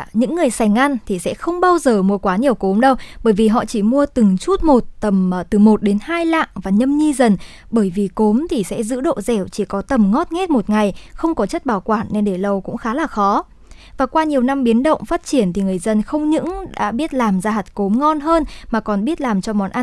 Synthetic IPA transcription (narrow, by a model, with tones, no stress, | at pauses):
ɲɨ̰˧˥ŋːɨ˨˩əjsa˧˩jŋ̟ʔa˧ŋt̪ʰi˨˩sɛ̰˧˥xə˧wŋ͡mɓaː˧wzəː˨˩mu˧əkwaː˨˦ɲi˨˩əwko˨˦mɗə˧wɓəː˧˩jvi˨˩ɦɔ̰˧˨t͡ɕi˧˩mu˧ət̪ɨ˨˩ŋt͡ɕu˦˥t̚mo˨˩t̚t̪ə˨˩m˨˩t̪ɨ˨˩mo˨˩t̚ɗe˨˦nhaː˧jla̰ː˧˨ŋvaː˨˩ɲə˧mɲi˧zə˨˩n | ɓəː˧˩jvi˨˩ko˨˦mt̪ʰi˨˩sɛ̰˧˥zɨ̰˧˥ɗo̰˧˨zɛ˧˩wt͡ɕi˧˩kɔ˨˦t̪ə˨˩mŋɔ˦˥t̚ŋɛ˦˥t̚mo˨˩t̚ŋa˨˩jxə˧wŋ͡mkɔ˨˦t͡ɕə˦˥t̚ɓaː˨˧˩wkwaː˧˩nːe˧nɗe˧˩lə˧wkʊ̰˧˥ŋ͡mxaː˨˦laː˨˩xɔ˨˦ | vaː˨˩kwaː˧ɲi˨˩əwna˧mɓi˨˦ənɗə̰˧˨wŋ͡mfaː˦˥t̚t͡ɕi˧˩ənt̪ʰi˨˩ŋɨ˨˩əjzə˧nxə˧wŋ͡mɲɨ̰˧˥ŋɗa̰ː˧˥ɓi˦˥ət̚laː˨˩mzaː˧ɦa˨˩t̚ko˨˦mŋɔ˧nɦəː˧nmaː˨˩kɔ˨˩nɓi˦˥ət̚laː˨˩mt͡ɕɔ˧mɔ˨˩nʔa˧n